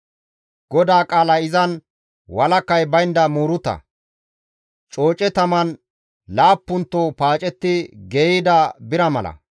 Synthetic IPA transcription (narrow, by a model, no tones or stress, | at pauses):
ɡ̥ɔd̪aːkʼaːlɐɪzɐn | wɐlɐkːɐjbɐjnd̪ɐmuːɾʊt̪ɐ̰ | t͡ʃʼo̞ːt͡ʃʼɛt̪ɐmɐn | laːpːʊnt̪ːopaːt͡ʃʼɛt̪ːɪɡeːɪd̪ɐbɪɾɐmɐlɐ̰